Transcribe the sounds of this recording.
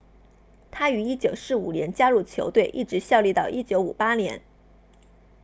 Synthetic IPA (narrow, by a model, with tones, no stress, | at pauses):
t̪ʰa˥y˧˥i˥t͡ɕjo˨˩ʊsɹ̩˥˩ṵ˨˩njɛ˧˥nt͡ɕja˥ɻu˥˩t͡ɕʰjo̰˧˥ʊt̪we˥˧ɪʔḭ˥˩ʈ͡ʂɻ̩˧˥ɕjɑ˥˧ʊli˥˧t̪ɑ˥˩ʊʔi˥t͡ɕjo˧˥ʊu˨˩pa˥njɛ̰˧˥n